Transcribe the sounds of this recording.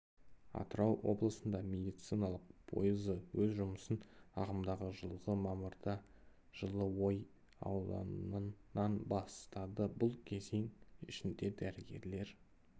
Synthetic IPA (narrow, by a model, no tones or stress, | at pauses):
ɑ̰t̪əɾɑwwʔo̞̰blˠəsənd̪ɑmʲe̞d̪ijt̪sijnɑlˠəq̚pʰo̞̰jəzəwɵzʒʊməsənɑʁəmd̪ɑʁəʒəlˠʁəmɑməɾd̪ɑ | ʒ̥əlˠəwo̞j | ɑ̰wlˠɑ̰nnɑnbɑst̪ɑd̪əbʊlˠkʲʰe̞zeŋɪʃɪnd̪e̞d̪æɾɪɡʲe̞ɾle̞ɾ